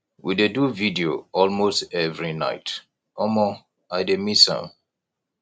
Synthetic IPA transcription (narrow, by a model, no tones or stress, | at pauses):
wideduvidioɔlmostɛvɹina̰ɪt | ɔmɔ | ajdemisã̰